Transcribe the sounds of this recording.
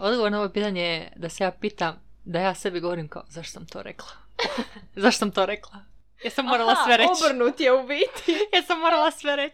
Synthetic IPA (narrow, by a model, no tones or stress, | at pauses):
od̪ɡoʋoɾnooʋopiːt̪aɲejed̪ase̞jaːpiːt̪am | d̪ajaːse̞biɡoʋoɾimka̰ozaʃt̪o̥samt̪oːɾḛklˠa | zaʃto̥samt̪oːɾeklˠa | jeɾsamːoːɾalˠasʋeɾebr̩nut̪jeubit̪ijeɾsamːoɾalˠasʋeɾet͡ɕ